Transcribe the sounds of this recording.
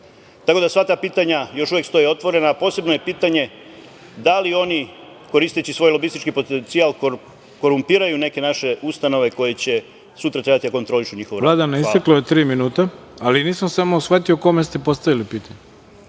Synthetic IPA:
t̪ako̞d̪asʋat̪aːpiːt̪aɲajo̞ʃuʋjekst̪o̞jio̞t̪ʋo̞ɾe̞naːpo̞ːse̞bno̞je̞piːt̪aɲe̞ | d̪alio̞ni | ko̞ɾiːst̪et͡ɕisʋo̞jlo̞bist̪it͡ʃkipo̞t̪ent̪sialˠko | ko̞ɾumpiːɾajune̞ke̞naʃe̞ust̪ano̞ʋe̞ko̞je̞t͡ɕe̞ | sut̪ɾat̪ɾebat̪iako̞nt̪ɾo̞liʃuɲixoʋoɾvllaːd̪aneist̪eklajet̪ɾiːminuːt̪a | aliniːsamsamosxfat̪iokomest̪epo̞st̪aʋilipiːt̪aɲe

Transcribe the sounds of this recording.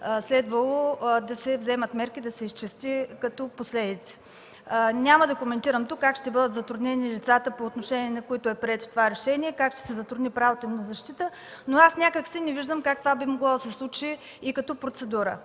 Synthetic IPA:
slɛd̪vəlˠod̪ɐsɛvzɛmət̪mɛɾkid̪ɐsɛist͡ʃɛst̪ikɐt̪ɔposlɛd̪it̪sɛ̥ | nʲaməd̪ɐkomɛnt̪iɾəmt̪ukːakʃt̪ɛbɤd̪ət̪zɐt̪ɾʊd̪nɛnilit̪sat̪əpoːt̪noʃɛniɛnɐkoit̪ʊɛpɾiɛt̪o̥t̪ovaɾɛʃɛniɛkakʃt̪ɛ̥sɛzɐt̪ɾʊd̪nipɾavot̪əimnɐzɐʃt̪it̪ə | noasnʲakəksinɛviʒd̪əmkak̚t̪ovabimoɡlˠad̪ɐsɛslˠut͡ʃiː | kɐt̪ɔpɾot̪sɛd̪uɾə̰

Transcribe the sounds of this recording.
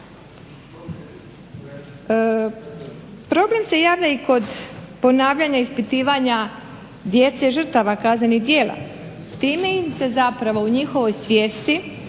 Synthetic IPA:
pɾo̞ble̞mse̞jaːʋd̪aiko̞d̪po̞naːʋʎaɲaispit̪iːʋaɲa | d̪je̞t̪se̞ʒɨr̩t̪aʋakaznenid̪je̞ːla̰ | t̪iːmeimse̞zapɾaʋo̞uɲixo̞ʋo̞jsʋʲje̞ːst̪i

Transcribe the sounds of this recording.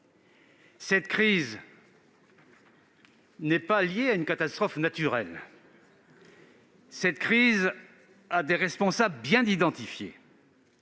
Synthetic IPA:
sɛt̪kχiz | nɛpaljeaynkat̪ast̪χɔfnat̪yʁɛl | sɛt̪kχiz | ad̪eʁɛspɔ̃sabləbjɛ̃d̪id̪ɑ̃t̪ifjḛ

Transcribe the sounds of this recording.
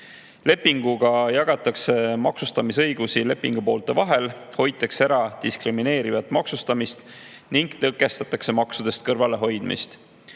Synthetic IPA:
le̞pːiŋɡ̥uɡ̥ɑjɑɡ̥ɑt̪ːˑɑkse̞mɑksust̪ɑmisɤjɡusile̞pːˑiŋɡ̥upo̞ːlt̪ˑe̞vɑɦe̞l | ho̞j̪ːˑekseeɾɑt̪iskrimine̞ːɾivɑt̪ːˑmɑksust̪ɑmist̪niŋɡ̥t̪ɤkːˑe̞st̪ɑt̪ːˑɑkse̞mɑksud̪̥e̞st̪̚kɤrvɑle̞ɦo̞jd̪̥mḭst̪

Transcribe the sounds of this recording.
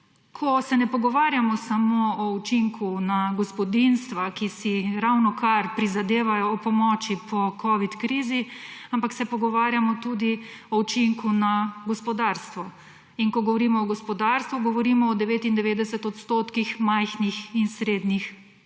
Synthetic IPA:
kʰɔsɛnɛpɔɡɔʋaːɾjamɔsamoɔut͡ʃiŋkʰunaɡɔspɔd̪inst̪ʋakisiɾawnɔkaɾpɾizad̪eːʋajɔːpɔmɔːt͡ʃipʰɔkʰɔʋit̪kɾiːziampaksɛpɔɡɔʋaːɾjamɔt̪uːd̪iɔut͡ʃiŋkunaɡɔspɔd̪aɾst̪ʋɔ | iŋkɔɡɔʋɔɾiːmɔːɡɔspɔd̪aːɾst̪ʋuɡɔʋɔɾiːmɔːd̪ɛʋeːt̪ind̪ɛʋeːd̪ɛsɛt̪ɔt̪st̪oːt̪kixmajxnixinsɾeːd̪nix

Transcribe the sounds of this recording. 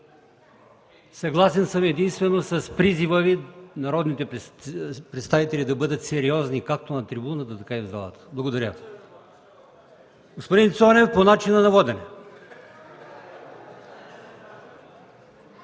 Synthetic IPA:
sɐɡlˠasɛnsəmɛd̪inst̪vɛnosɐspɾizivəvinɐɾɔd̪nit̪ɛ | pɾɛt̪st̪avit̪ɛlʲid̪ɐbɤd̪ət̪sɛɾiɔznikak̚t̪onɐt̪ɾibunət̪ət̪ɐkaivzalˠɐ̰t̪ə̥blˠɐɡod̪ɐɾʲjə | ɡospod̪int̪sɔnɛvponat͡ʃinənɐvɔd̪ɛnɛ

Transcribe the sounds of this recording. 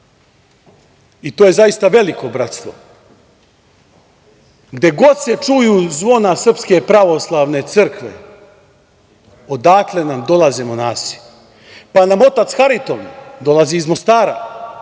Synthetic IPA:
it̪oːjezajist̪aʋe̞liko̞bɾat̪st̪ʋo̞̰ | ɡd̪e̞ɡo̞d̪se̞t͡ʂujuːzʋo̞nasr̩pske̞pɾaʋo̞slˠaʋne̞t̪sɨrkʋe̞̰ | od̪aːkle̞namd̪o̞lˠazemonaːsi̥ | panamo̞t̪at̪sxaɾit̪o̞md̪o̞lˠaziːzmo̞st̪aːɾa̰

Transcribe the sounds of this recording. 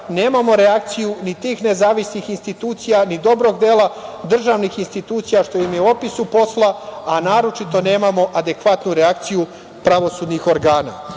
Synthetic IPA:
ne̞ːmamo̞ɾeak̚t̪sijunit̪iːxne̞zaːʋisnixinst̪it̪uːt̪sijanid̪o̞bɾo̞ɡd̪eːlˠad̪r̩ʒaʋnixinst̪it̪uːt̪sijaʃt̪o̞jimjeuo̞pisupo̞slaanaːɾo̞t͡ʃit̪o̞ne̞ːmamo̞ʔad̪e̞kʋat̪nuɾeak̚t̪siju | pɾaʋo̞suːd̪nixo̞ɾɡaːna̰

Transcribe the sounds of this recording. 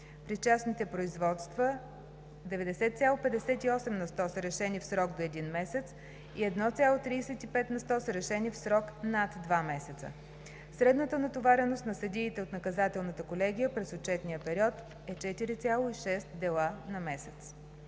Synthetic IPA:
pɾist͡ʃasnit̪ɛpɾoizvɔt̪st̪və | d̪ɛvɛd̪ɛsɛt̪̚sʲjalˠopɛd̪ɛsɛt̪iɔsɛmnɐst̪ɔsəɾɛʃɛnifsɾɔɡd̪oɛd̪inmɛsɛt̪s | iɛd̪nɔt̪sʲjalˠot̪ɾiːsɛt̪ipɛt̪nɐst̪ɔsəɾɛʃɛnifsɾɔknat̪d̪vamɛsɛt̪sə̰ | sɾɛd̪nət̪ənɐt̪ovaɾɛnost̪nɐsɐd̪iːt̪ɛot̪nɐkɐzat̪ɛlˠnət̪əkolɛɡʲijəpɾɛzott͡ʃɛt̪nijəpɛɾiɔt̪ | ɛt͡ʃɛt̪iɾit̪sʲjalˠoiʃɛst̪d̪ɛlˠanɐmɛsɛt̪s

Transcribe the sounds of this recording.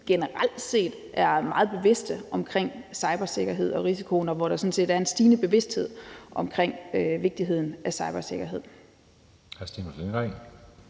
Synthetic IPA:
ɡ̥enəʁal̰d̥se̝̰ːd̥ | ʔæɐmɑ̈ːð̩ˠb̥e̝ʋe̝sd̥əʔɒ̽mkʰʁeŋ̰sɑ̈ɪb̥ɐse̝ɡ̥ɐɦe̝ð̞̰ˠɒ̽ʁisikʰo̝nɒ̽ʋɒɾ̥ɑ̈sɒ̽n̰̩se̝̰ːdæɐe̝nsd̥iːnəb̥e̝ʋe̝sd̥he̝ð̞̰ˠʔɒ̽mkʰʁeŋ̰øʋe̝ɡ̥̚d̥iɦe̝ð̞̰ˠn̩æsɑ̈ɪb̥ɐse̝ɡ̥ɐɦe̝ð̞̰ˠ | hæsd̥inmɐsdenɡ̥aŋ̰

